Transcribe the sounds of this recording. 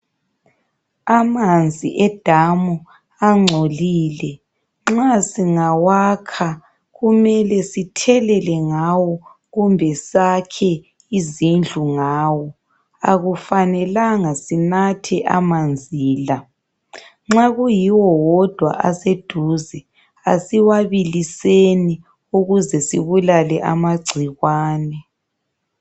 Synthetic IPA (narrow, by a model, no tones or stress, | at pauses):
amand͡zʱiʔɛd̥ʱamu | aŋ͡ǀʱoliːlɛ | ŋ͡ǁasiŋawakʰa | ɣumɛlɛsitʰɛlɛlɛŋawɔ | ɣumbʱɛsakʰɛ | izind͡ɮʱuŋaːwɔ | a̰ɣufanɛlaŋasinatʰɛʔamand͡zʱiːla | ŋ͡ǁaɣujiwɔwɔd̥ʱwa̰ʔased̥ʱuːzɛ | a̰siwaβiliseni | uɣuzɛsiβulalɛʔa̰maɡ͡ǀʱiɣwaːnɛ